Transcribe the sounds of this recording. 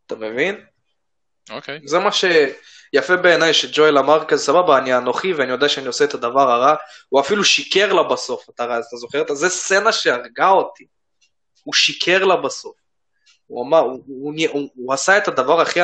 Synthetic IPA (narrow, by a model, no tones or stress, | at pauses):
at̪amevin | okejzemaʃe̞ | jafebe̞ːnajʃed͡ʒojlamaʁkazesababaːnianoχiveanijodeaʃeanio̞seet̪ad̪avaʁaʁahuafiluʃike̞ʁlabaso̞fat̪aʁazat̪azo̞χe̞et̪azest͡se̞naʃe̞aʁɡao̞ti | uʃikʰe̞ʁlabaso̞f | uamaʁunuːasaet̪ad̪avaʁaχi